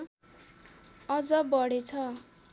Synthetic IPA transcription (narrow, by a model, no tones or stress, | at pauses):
ʌd͡zʌbʌɽet͡sʰʌ